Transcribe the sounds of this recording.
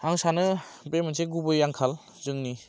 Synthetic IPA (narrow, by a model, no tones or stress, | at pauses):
aŋsanɯbemɯnseɡubɯjaŋkʰal | zɯŋni